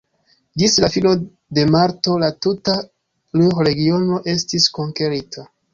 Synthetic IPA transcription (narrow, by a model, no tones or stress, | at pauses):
d͡ʒislafino | de̞maɾto̞latuta | luxɾe̞ɡio̞no̞ʔe̞stisko̞ŋke̞ɾitʰa